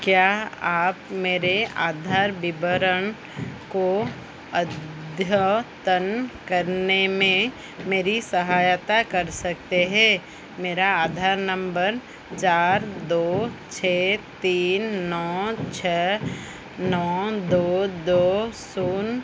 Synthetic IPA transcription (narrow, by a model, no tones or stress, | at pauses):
kjaːaːpmeːɾeʔaːd̪ʱaːɾbɪbəɾən | ko | əd̪ʱjət̪ənkəɾnemẽ | meːɾisəɦaːjt̪akɐɾsɐk̚t̪eɦɛ̃ː | meːɾaaːd̪ʱaːɾnə̃mbəɾ | t͡ʃaːɾd̪oːt͡ʃʰeːt̪iːnːɔːt͡ʃʰɛ | nɔːd̪oːd̪oːsuːn